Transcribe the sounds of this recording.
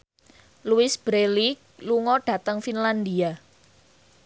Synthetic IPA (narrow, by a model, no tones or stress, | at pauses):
luɪsb̥ɾelikluŋɔɖ̥ä̤t̪əŋfinland̪ia